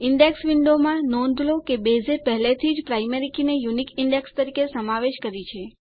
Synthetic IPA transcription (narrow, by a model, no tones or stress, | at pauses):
ɪɳɖeksʋiɳɖomãnɔnd̪ʱlokebezepɛɦlet̪ʰid͡ʒpɾaijmeɾikinejunikɪɳɖekst̪əɾikesəmaʋeʃkəɾit͡ʃʰe